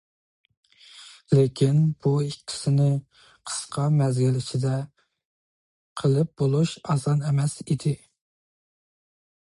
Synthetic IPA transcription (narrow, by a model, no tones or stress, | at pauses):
lekʲʰinb̥uikʲʰːi̥sɪnɪ | qʰə̥sqʰɑmɛzɡʲilɪt͡ʃʰɪd̪ɛ | qʰəlˠɨp̚bolˠuʃɑsɑnɛmɛsid̪ɪ